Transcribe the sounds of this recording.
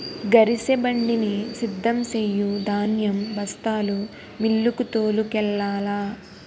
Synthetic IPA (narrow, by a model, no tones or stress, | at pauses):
ɡɐɾisebɐɳɖinisid̪ʱːɐmsejud̪ʱaːnjɐmbɐst̪aːlu | milːukut̪oːlukɛlːaːlaː